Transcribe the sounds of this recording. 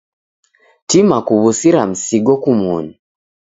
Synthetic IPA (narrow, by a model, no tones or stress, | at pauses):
timakuβusiɾam̩siɡokumuːɲi